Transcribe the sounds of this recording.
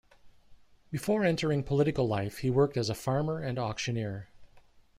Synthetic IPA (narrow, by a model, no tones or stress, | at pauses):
bɨfɔɹɛ̃ntʰə˞ɪ̃ŋpʰəlɪɾɨkl̩ˠlaɪfhiwɜ˞k̚tɨzəfɑɹmə˞ɨ̃nɑkʃɨnɪɹ